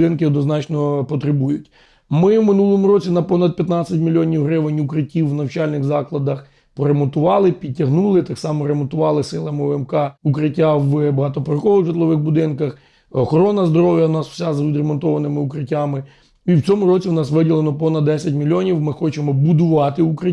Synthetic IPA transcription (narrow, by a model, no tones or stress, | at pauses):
ɪnkɪɔd̪nɔznɑt͡ʃnɔpɔt̪ɾɪbujʊtʲ | mɪmɪnulˠɔmʊɾɔt͡sʲinɐpɔnɐd̪̚pjɐt̪nɑt͡sʲɐt̚ʲmʲilʲiɔnʲiwɦɾɪʋɪnʲʊkɾɪtʲːiwːnɐwt͡ʃɑlʲnɪɣzɑklˠɐd̪ɐx | pɔɾemɔnt̪ʊʋɑlˠɪpʲid̚ʲtʲɐɦnulˠɪt̪ɑksɑmɔɾemɔnt̪ʊʋɑlˠɪsɪlˠɐmɪɛmkɑukɾɪtʲːaʋbɐɦɑt̪ɔpɔɾɐxɔʋɪɣʐɪt̪lˠɔʋɪɣbʊd̪ɪnkɐx | ɔxɔɾɔnɐzd̪ɔɾɔwjɐnɑsw̥sʲazʋʲid̪ɾemɔnt̪ɔʋɐnɪmɪukɾɪtʲːamɪ | iwt͡sʲɔmʊɾɔt͡sʲiwnɑsʋɪdʲilˠenɔpɔnɐd̪d̪ɛsʲɐtʲmʲilʲːiɔnʲiwmɪxɔt͡ʃemɔbʊd̪ʊʋɑt̪ɪukɾɪ